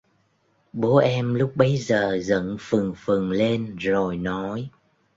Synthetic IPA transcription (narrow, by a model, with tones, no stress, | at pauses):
ɓo˨˦ʔɛ˧mlʊ˦˥k͡p̚ɓə˨˦jzəː˨˩zə̰˧˥nfɨ˨˩ŋfɨ˨˩ŋle˧nzo˨˩jnɔ˨˦j